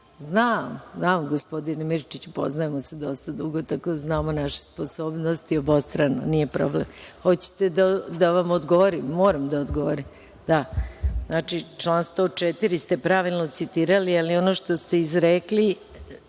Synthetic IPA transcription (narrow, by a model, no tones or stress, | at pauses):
znaːmznaːmɡospo̞d̪inemiɾt͡ʃit͡ɕupo̞̰znaemo̞sed̪o̞st̪ad̪uɡot̪akod̪znaːmonaʃe̥spo̞so̞ːbnost̪iobost̪ɾano̰nije̞pɾo̞blemxo̞t͡ɕe̥t̪ed̪ad̪aʋamod̪ɡo̞ʋoɾimːoːɾamd̪aod̪ɡoʋoɾim | d̪aznat͡ʃit͡ʃlˠaːnst̪o̞t͡ʃet̪iɾist̪e̞pɾaʋilˠno̞t̪sit̪iːɾalialio̞noʃt̪ost̪e̞izɾekli